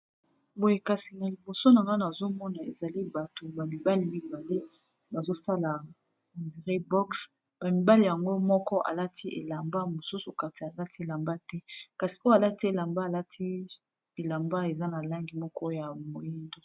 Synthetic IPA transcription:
bo˨je˦ka˨si˨na˨li˨bo˨so˦na˨ŋɡa˦na˨zo˦mɔ˦na˨ḛ˨za˨li˦ba˨to˨ba˨mi˨ba˦li˦mi˦ba˨le˦ | ba˨zo˦sa˦la˨ | ndi˨ʁe˦bɔ˦ks | ba˨mi˨ba˦li˨ja˨ŋɡo˦mɔ˦kɔ˦ʔa̰˨la˦tʰi˦ʔḛ˨la˨mba˦mo˨su˦su˨ka˨ti˨a˨la˦ti˦e˨la˨mba˦tɛ˦ka˨si̥˨o˦a˨la˦ti˦e˨la˨mba˦˨la˦tʰi˦ | e˨la˨mba˦e˨za˦na˨la˦ŋɡi˨mɔ˦kɔ˦ja˨mo˨ji˦ndo˦˨

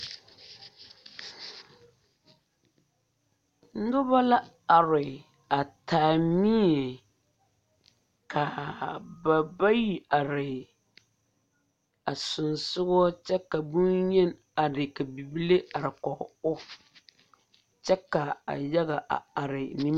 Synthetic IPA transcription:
n̩˦dʊ˦ba˦la˦ | a˨ɾɪ˨ | a˨taː˨mi˦ɛ˨ | ka˨ba˨ba˦ji˨a˨ɾɪ˨ | a˨sʊ˨nsʊ˦ɣɔ˦t͡ʃɛ˦ka˨bu˦njɛ˦n | a˨dɪ˨ka˨bi˨bi˦le˦a˨ɾɪ˨kɔ˨ʊ˦ | t͡ʃɛ˦ka˨a̰˨jɛ˦ɣa˨ʔa̰˨a˨ɾɪ˨ni˦

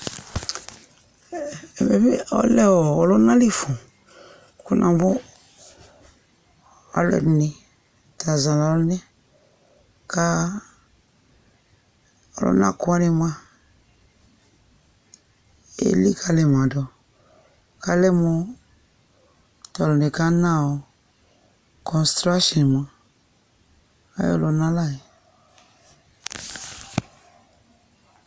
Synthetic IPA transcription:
mɛ˨be˦ɔ̰˦lɛ˦wɔ˨ɔ˨lɔ˦nã˦li˦fũ˨ | ku˦nʔã̰˨bʊ˦ | ɔ̰˦lɛ̰˨nĩ˨ | ta˨zã˨la˨lnɛ˦ | ka˦ | ɔ˨lo̰˦nã̰˦ku˦a˦ni˨m˦ã˦ | ḛ˦li˦˨kʰa˧lɛ˨m˨ã˨dɔ˨ | ka˦lɛ˦mõ˧ | tɔ˨lo˨ne˨ka˦nã˦˨o˨ | kʰɔ̃˨nstɾa˦ʃɔ̃˨n˨m˨ã˨ | a̰˦jo̰˦lo˧nã˦la˦˨i˨

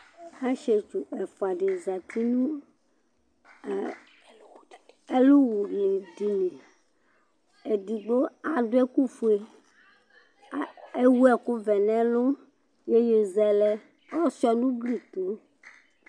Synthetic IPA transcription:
a˦ʃe˨t͡ʃu˨ɛ˨fo˨a˨ɖe˨za˨t̪ʰi˦nũ˦˨ | e˦lu˦wu˨li˨di˨nẽ˨ | e˨d̪i˨ɡ͡bo˦a˨do˦ɛ˦ku˦fu˦e˨ | e˦wu˦ɛ˨ku˦vɛ˨nɛ̃˦lʊ̃˦ | je˦je˨zɛ˦lɛ˦ | ɔ˦si˦ɔ˦nũ˦bli˦t̪o˨˦

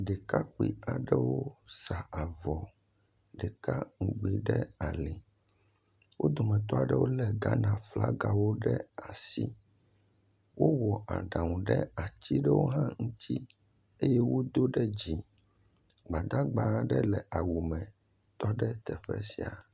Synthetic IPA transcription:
ɖe˨ka˦k͡pḭ˨a˨ɖɛ˦wo˦sa˨a˨vɔ˨ | ɖɛ˨ka˦ŋ̩˨ɡ͡bi˨ɖɛ˦a˨li˨ | wo˦d̪ɔ˨mɛ̃˨t̪ɔ˦a˨ɖɛ˦wo˦lɛ˨ɡa˦nã˨fla̰˦ɡa˨wo˦ɖɛ˦a˨si˦ | wo˦wɔ˨ʔa̰˨ɖã˨ŋũ˨ɖɛ̰˦a˨t͡ɕi˦ɖɛ˦wo˦ɦã˦ŋũ˦t̪ʰi˦ | e˦jɛ˦wo˦d̪o˦ɖɛ˦d͡ʑi˨ | ɡ͡ba˨d̪a˦ɡ͡ba˨˦ɖɛ˦lɛ˨ʔa˨wu˨mɛ̃˨ | t̪ɔ˦ɖɛ˦t̪ɛ˨ɸɛ̰˦si˨a̰˨

